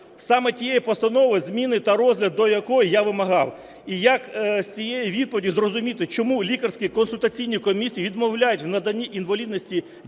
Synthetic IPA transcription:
sɑmɛtʲijejipɔst̪ɐnɔʋɪzmʲinɪt̪ɐɾɔzʲlʲɐd̪̚ːɔjɐkɔjijaʋɪmɐɦɑw | ijɐksʲt͡sʲijejiʋʲid̪̚pɔʋʲdʲizrɔzʊmʲit̪ɪt͡ʃɔmulʲikɐrsʲkʲikɔnsʊlʲt̪ɐt͡sʲijnʲikɔmʲisʲijːʋʲid̪mɔwlʲajʊtʲwnɐd̪ɐnʲːiʔinʋɐlʲid̪nɔsʲtʲi

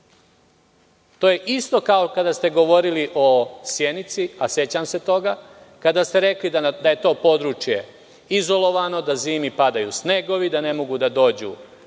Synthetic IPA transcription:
t̪o̞ːje̞ʔist̪o̞kaokad̪ast̪e̞ɡo̞ʋo̞ɾiliʔo̞sje̞nit̪siase̞t͡ɕamse̞t̪o̞ɡa | kad̪ast̪eɾe̞klid̪aje̞t̪o̞ːpo̞d̪ɾut͡ʃje̞ | izo̞lo̞ʋano̞d̪aziːmipad̪ajṵsne̞ɡo̞ʋid̪ane̞mo̞ɡud̪ad̪o̞ːd͡ʑṵ

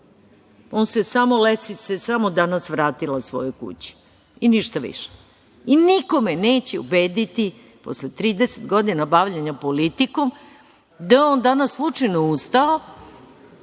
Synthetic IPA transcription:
onsesamolesisesamod̪anasʋɾaːt̪ilasʋo̞̰jojkṵt͡ɕi̥ | iniʃt̪aʋḭʃe̥ | iniko̞meneːt͡ɕeṵbeːd̪it̪i | po̰slet̪ɾiːd̪eset̪ɡo̞d̪inabaʋʎeɲapo̞lit̪iko̞m | d̪aond̪anasːlˠut͡ʂajneust̪ao

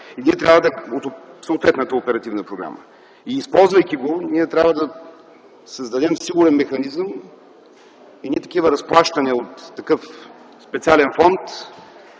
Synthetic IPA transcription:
iniɛt̪ɾʲavəd̪ɐot̪səot̪vɛt̪nət̪əopɛɾɐt̪ivnəpɾoɡɾa̰mə̰ | iːspɔlˠzvɐjkʲiɡoniɛt̪ɾʲavəd̪ɐ | səzd̪ɐd̪ɛmsiɡʊɾɛnmɛxɐnizəm | inʲɛt̪ɐkivəɾɐsplˠaʃt̪ɐniəot̪ːɐkɤf | spɛt̪sialɛnfɔnt̪

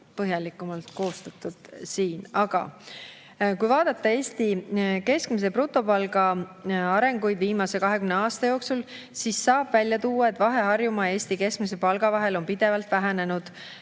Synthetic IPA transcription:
pɤɦjɑlikːˑumɑlt̪ko̞ːst̪ɑt̪ːˑud̪̥siːnɑɡ̥ɑ̰ | kujvɑːd̪̥ɑt̪ːˑɑe̞ːsʲt̪ike̞skmis̬e̞prut̪ːˑo̞pɑlɡɑɑɾe̞ŋɡ̥ujd̪viːmɑse̞kɑɦe̞kymneɑːst̪ɑjo̞ːksul | sisːɑːb̥vælʲːjɑt̪uːwːɑe̞t̪ːˑvɑɦe̞ɦɑrjumɑe̞ːst̪ike̞skmis̬epɑlɡ̥ɑvɑɦe̞lo̞npid̪̥e̞vɑlt̪væɦæne̞nud̪̥

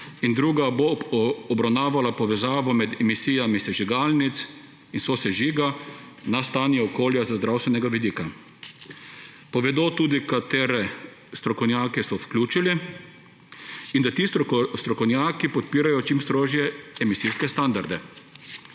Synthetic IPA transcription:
ind̪ɾuːɡaboːbɾawnaːʋalapɔʋɛzaːʋɔmɛd̪ɛmisiːjamisɛʒiɡaːlnit̪s | insosɛʒiːɡa | nast̪aːnjɛɔkoːljazazd̪ɾawst̪ʋɛnɛɡaʋid̪iːka | pɔʋɛd̪ot̪uːd̪ikat̪eːɾɛ | st̪ɾɔkɔwnʲjaːkɛsɔfklʲuːt͡ʃili | ind̪at̪iːst̪ɾɔkɔwnjaːkipɔt̪̚piːɾajɔt͡ʃimst̪ɾoːʒjɛɛmisiskɛst̪and̪aɾd̪ɛ

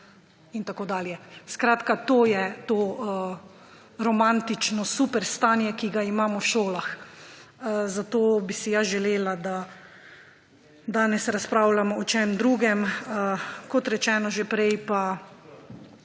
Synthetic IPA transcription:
int̪akoːd̪aːljɛskɾaːt̪kat̪oːjɛt̪oːə | ɾɔmant̪it͡ʃnɔsupɛɾst̪aːnjɛkiɡaimaːmɔwʃoːlax | zat̪oːbisijaʒɛleːlad̪a | d̪aːnɛsɾaspɾaːwlamɔɔt͡ʃɛmd̪ɾuːɡɛməkɔt̪ɾɛt͡ʃɛːnɔʒepɾɛjpa

